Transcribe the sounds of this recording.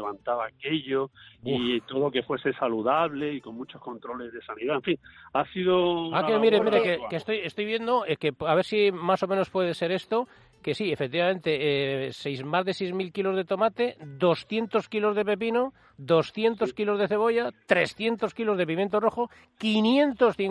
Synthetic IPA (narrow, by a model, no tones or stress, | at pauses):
eβant̪aβaːkeʎoit̪o̞ðoke̞fwe̞sesaluðaβle̞iko̞ŋmut͡ʃohko̞nt̪ɾo̞lezðe̞saniðaeɱfiŋasiðoaemiɾemiɾekekest̪ojest̪ojβje̞nd̪oekepaβe̞ɾsimaso̞mẽno̞spwe̞ðe̞se̞ɾe̞st̪o̞ | ke̞siefek̚t̪iβamẽ̞nt̪e̞esejzmazðe̞sejzmilkilo̞zð̞et̪o̞mat̪e̞d̪o̞sθje̞nt̪o̞skilo̞zðe̞p̬e̞p̬ino | d̪o̞sθje̞nt̪o̞skilo̞zð̞eθe̞β̞o̞ʝat̪ɾe̞sθje̞nt̪o̞skilo̞zðe̞p̬imjent̪oro̞xo | kinje̞nt̪o̞sθiŋ